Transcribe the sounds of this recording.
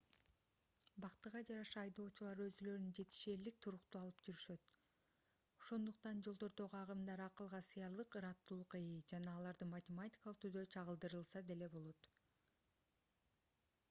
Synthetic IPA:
bɑqt̪ɯʁɑd͡ʒɑɾɑʃɑːjd̪o̞ːt͡ʃulˠɑɾø̞zylø̞ɾynd͡ʒe̞t̪i̥ʃie̞lik̚t̪ʰuɾuqt̪uɑlˠɯpd͡ʒyɾyʃø̞t̪ | o̞ʃo̞nd̪uq̚t̪ɑnd͡ʒolˠd̪o̞ɾd̪o̞ʁɑʁɯmd̪ɑɾɑqɯlˠʁɑsɯjɑɾlˠɯqɯɾɑt̪ːulˠuqejɯd͡ʒɑnɑːlˠɑɾd̪ɯmɐtʲɪmatʲi̥kalˠɯq̚t̪ʰyd̪øt͡ʃʰɑʁɯlˠd̪ɯɾɯlˠsɑd̪e̞le̞bo̞lˠo̞t̪

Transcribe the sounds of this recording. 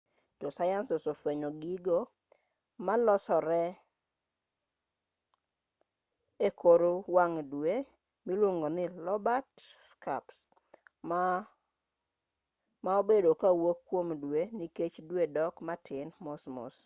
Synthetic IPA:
d͡ʒɔsajanssofweɲoɡiɡo | malɔsɔɾɛ | ekʰoɾowaŋdwe | milwoŋɡonɪlɔbatska̰ps | maobedokawokːwomdweniket͡ʃdwedɔkmatʰɪnmosmʊ̰s

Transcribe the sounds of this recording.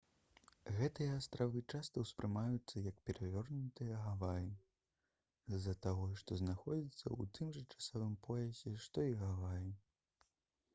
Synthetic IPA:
ɣɛt̪ɨjɐast̪ɾavɨt͡ʂast̪ɐwspɾʔɨmajut̪sːɐjɐkpʲɛɾavʲɔrnut̪ɨjɐɣavaji | zːɐt̪aɣɔʂt̪ɔznaxɔd͡zʲit̪sːɐ̰ṵt̪ɨmʐɐt͡ʂḁsɔvɨmpʰɔjɐsʲɛʂt̪ɔiɣavaji

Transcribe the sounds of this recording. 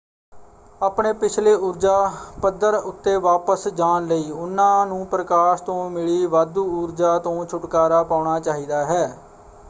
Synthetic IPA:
aːpɳeːpɪt͡ʃʰleːʊɾd͡ʒaːpəd̪ːəɾʊt̪ːeːʋaːpəsd͡ʒaːnləiːʊnːãːnũːpɾəkaːʃt̪õːmɪɭiːʋaːd̪uːʊɾd͡ʒaːt̪õːt͡ʃʰʊʈkaːɾaːpaːʊɳaːt͡ʃaːɦiːd̪aːɦɛː

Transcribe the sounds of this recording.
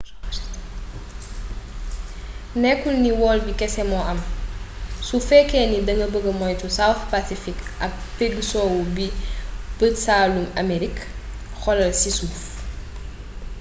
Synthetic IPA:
nɛkːulniwɔːlbikɛsɛmɔʔɐm | sufɛkɛːnidɐŋɡəbəɡɐmɔjtusawθpasifikʔɐk̚peɡsɔːwubipətsaːlumɐmeɾik | xɔlɐlsisuf

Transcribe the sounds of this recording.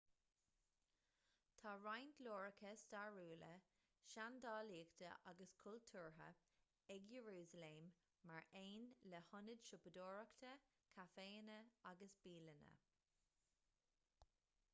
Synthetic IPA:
t̪ʰaːɹajndloːɹəkʰəst̪aɹuːlə | ʃand̪ɑːliːɡt̪ʰə̰ʔaɡəskʰʊltʰuːɹɦə̰ | ɛɡjəɹuːzəleːmː | aɹʔeːnləhʊnəd̥ʃʊpəd̪oːɹəkt̪ʰə | kʰafeːənəaɡəsb̥iːlənə̰

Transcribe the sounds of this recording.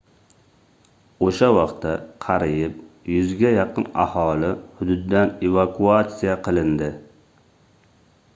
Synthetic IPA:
oʃawɑqt̪ʰːaqʰɑɾɪjɪp̚jʊzɡʲajɑqʰɨna̰hɒlɪhʊd̪ʊd̪ːanevakʰuat̪sijaqʰɨlˠɪnd̪ɪ

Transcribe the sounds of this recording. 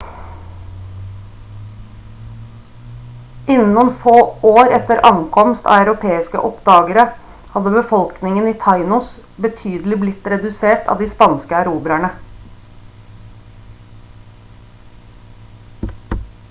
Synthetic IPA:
ɪnn̩ʊnfoːoːɾɛt̪əɾʔɑŋkʰɔmst̪ɑ̰ːɑʉɾʊpʰeːɪskə̰ʔɔpd̪ɑːɡəɾə | hɑd̪əbəfɔlknɪŋəniːt̪ʰɑɪnʊs | bət̪ʰyːd̪lɪblɪt̪ɾɛd̪ʉseːʈɑ̰ːd̪iːspɑnskəæɾuːbɾæɳə

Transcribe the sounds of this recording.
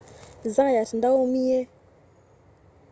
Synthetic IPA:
zaajatəndawomije

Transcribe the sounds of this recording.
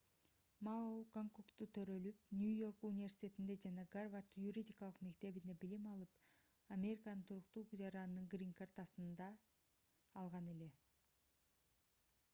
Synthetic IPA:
maoɡaŋkokt̪ut̪ʰø̞ɾø̞lyp̚nʲujo̞rkunʲivʲersʲi̥tʲe̞t̪ind̪e̞d͡ʒɑnɑɡarvart̪juɾʲidʲikɑlˠɯqme̞k̚t̪e̞βine̞bilimɑlˠɯp | amʲe̞ɾʲikanɯnt̪ʰuɾuqt̪ud͡ʒɑɾɑnnɯŋɡrʲiŋkart̪asɯnd̪ɑː | lˠʁɑne̞le̞

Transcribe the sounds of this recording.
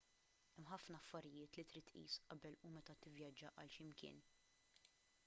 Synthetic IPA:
ɛmħɐfnɐːfːɐɾɪjɪːt̪lit̪ɾiːt̪ːʔḭːsʔɐbɛlumɛt̪ɐt̪ɪvjɐd͡ʒːɐʔɐlʃɪmkɪ̰ːn

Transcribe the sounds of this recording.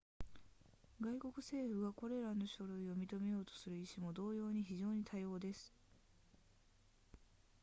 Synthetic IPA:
ɡaiko̞kɯ̟se̞ːɸɯ̟ɡako̞ɾe̞ɾano̞ɕo̞ɾɯ̟io̞mʲit̪o̞me̞jo̞ːt̪o̥sɨɾɯ̟iɕimo̞d̪o̞ːjo̞ːɲ̟içiʑo̞ːɲ̟it̪ʰajo̞ːd̪e̞sɨ̥

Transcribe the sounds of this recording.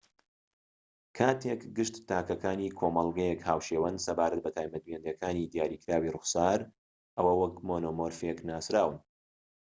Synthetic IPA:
kʰaːt̪ʰekɡɨʃt̪t̪aːkɐkaːniːkʰoːmɐlˠɡɐjɛkhaːwʃeːwɐnsɐbaːɾɐt̪̚bɐt̪ʰaːjmɐd̪wend̪jɛkʰaːnid̪ijaːɾiːkɾaːwirʊxsaːɾ | ʔɐwɐwɐkmoːnoːmoɾfeknaːsɾaːwɨn

